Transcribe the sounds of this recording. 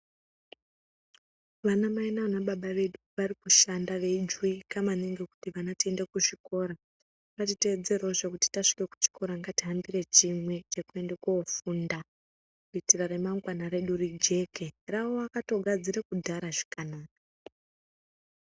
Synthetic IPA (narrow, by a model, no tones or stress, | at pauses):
ʋanamainaanaɓaɓaʋe̞ɗuʋarikuʃandaʋe̞d͡ʒwikamaneŋɡe̞ku̥tiʋanatie̞ndekuʐiko̞ːɾa | katite̞ːd͡ze̞reoʐekuti̥taʂi̥ke̞ku̥t͡ʃi̥ko̞ɾaŋɡatiɦambire̞t͡ʃimwe̞t͡ʃe̞kue̞ndekoofunda | kuitirare̞maŋɡwanaɾe̞ɗurid͡ʒe̞ke̞raoakato̞ɡʱad͡ziɾekudʱaɾaʐi̥kanaːka